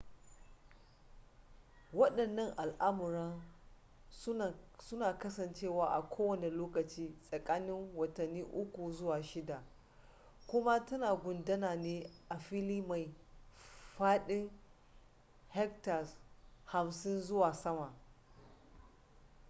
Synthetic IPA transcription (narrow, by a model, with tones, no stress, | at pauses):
wɐ˦ɗɐ˨nːɐ˦ŋʔa˨lʔa˦mʊ˨ɾɐ˦n˦˨ | sʊ˦naː˨kɐ˦sɐ˨nt͡ʃeː˦˨waː˨ʔa˨kʷoː˦wɐ˦˨ne˨loː˦kɐ˨t͡ʃiː˦sʼɐ˨kʼaː˦nɪ˦ŋwɐ˨tɐ˨nːiː˦ʔʊ˦kʷu˨zʊ˦waː˨ʃɪ˦da˨ | kʷʊ˦ma˦tɐ˦naː˨ɡʷʊ˨ndɐ˦naː˨neː˦ʔa˨ɸi˦liː˦ma˨j | ɸaː˦ɗɪ˦ŋ | hɛ˦k̚ta˨sha˨msɪ˦nzʊ˦waː˨sɐ˦ma˨